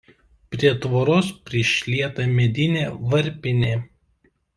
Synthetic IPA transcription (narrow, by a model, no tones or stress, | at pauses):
pʲɾʲiɛt̪ʋoːɾoːspʲɾʲɪʃʲlʲiɛt̪ɐmʲɛd̪ʲɪnʲeːʋɐɾʲpʲɪnʲeː